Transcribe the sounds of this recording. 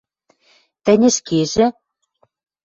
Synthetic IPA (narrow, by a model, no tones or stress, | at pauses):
t̪ɘ̆nʲɘ̆ʃkeʒɘ̆